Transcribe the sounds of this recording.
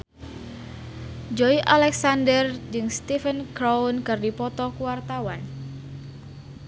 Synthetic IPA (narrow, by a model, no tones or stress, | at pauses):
d͡ʒoiʔalɛksandərd͡ʒɨŋst̪ifənkɾawnkɨrdipɔt̪ɔkuwart̪awan